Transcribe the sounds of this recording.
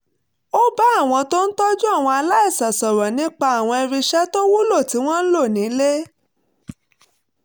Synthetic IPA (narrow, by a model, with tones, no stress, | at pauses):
o˦ba˦a˦˨w̃ɔ̃˧to˦n̩˦tɔ˦d͡ʒu˦a˦˨w̃ɔ̃˧a˧la˦i˦˨sa˨sɔ˨ɾɔ˨nĩ˦k͡pa˧˦a˦˨w̃ɔ̃˧e˧ɾi˧ʃɛ˦to˦wu˦lo˦˨ti˨˦w̃ɔ̃˦n̩˦lo˦˨nĩ˨˦le˦